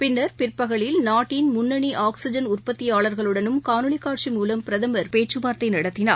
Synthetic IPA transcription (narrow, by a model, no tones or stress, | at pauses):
pɪnːɐɾpɪrpɐɣɐɭɪlnaːʈːɪnmʊnːɐɳiʔaːksɪd͡ʒɐnʊrpɐt̪ːɪjaːɭɐɾɣɐɭɯɽɐnɯmkaːnɯɭɪkːaːʈʂimuːlɐmpɪɾɐðɐmɐɾpeːʈt͡ʃɯbaːɾt̪ɐɪnɐɽɐt̪ːɪna̰ːɾ